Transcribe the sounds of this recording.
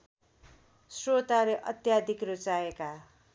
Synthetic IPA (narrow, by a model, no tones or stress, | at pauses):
srot̪aɾeʔʌ̰t̪jad̪ʱikrot͡saeka